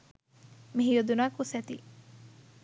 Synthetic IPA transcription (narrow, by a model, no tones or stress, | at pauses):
miɦijod̪unaːkusɛt̪i